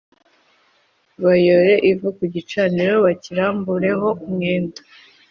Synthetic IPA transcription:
βajoɾe̞ʔivukuɟit͡ʃaniɾoβaciɾaːmbuɾe̞ɦo̞umŋeːntḁ

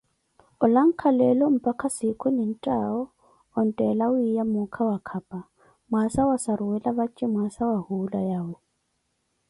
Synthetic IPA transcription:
ʊlaŋ̩kʰalɛlɔm̩pʼakʰasɪkʰʼʊnɪn̩tʼaɔ | ɔn̩tʼɛlaʊijamʊkʰawakʰapʼa | mwasawasaɾʊwɛlaβat͡ʃʼɪmwasawahulajaʊ

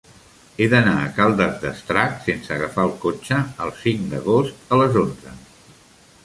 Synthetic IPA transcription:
eðənaəkalˠd̪əzd̪əst̪ɾaksensəːɣəfaəlˠkot͡ʃəəlˠsiŋd̪ə̰ɣost̪ələzonzə̰

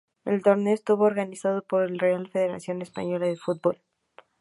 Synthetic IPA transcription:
e̞̰lt̪o̞ɾne̞oest̪uβo̞ːɾɣanisað̞opo̞ɾelrealfe̞ðe̞ɾa̰sjo̞ne̞spa̰ɲo̞laðefut̪̚bo̞l

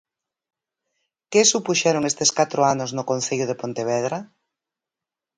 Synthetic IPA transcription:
kesupuʃɛɾoŋest̪eskat̪ɾoanoznʊkonθeʎʊð̞epont̪eβɛðɾa

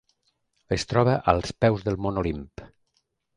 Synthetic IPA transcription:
est̪ɾɔβəʔəlˠspɛwzðəlˠmonolimp

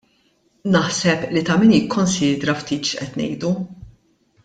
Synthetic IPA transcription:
nɐħsɛplit̪ɐmiːnjɪkʰːɔnsiːd̪ɾɐft̪iːt̪ʃʔɛt̪nɛ̰jd̪u

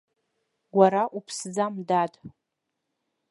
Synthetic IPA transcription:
ɡʷaɾaʔupʰsd͡zamdadʼ

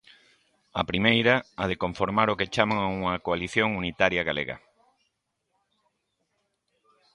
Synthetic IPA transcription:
ɐ̰pɾimejɾɐað̞ekoɱfoɾmaɾoket͡ʃamaŋauŋɐkoaliθjoŋunit̪aɾjɐɣalḛɣɐ̰

